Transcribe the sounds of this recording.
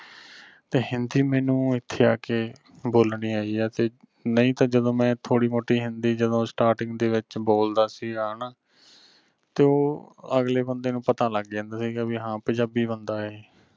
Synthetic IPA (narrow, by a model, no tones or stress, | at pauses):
t̪eːɦɪnd̪iːmɛːnũːɪt̪ʰːeːaːkeː | boːlɳiːaːiːɛːt̪eː | nəĩːt̪ãːd͡ʒəd̪õːmɛ̃ːt̪ʰoːɽiːmoːʈiːɦɪnd̪iːd͡ʒəd̪õːsʈaːɾʈɪ̃ŋɡd̪eːʋɪt͡ʃboːld̪aːsiːɡaːɳaː | t̪eːoːə̰ɡleːbənd̪eːnũːpət̪aːləɡɛ̃ːnd̪aːsiːɡabiɦãːpəd͡ʒaːbiːbənd̪aːɦeː